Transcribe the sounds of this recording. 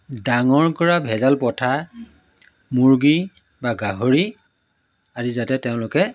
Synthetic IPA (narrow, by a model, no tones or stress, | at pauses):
daŋɔɹkɔɹabʱɛzalpɔtʰa | muɹɡi | baɡaɦoɹi | azizatɛtɛʊ̃lʊkɛ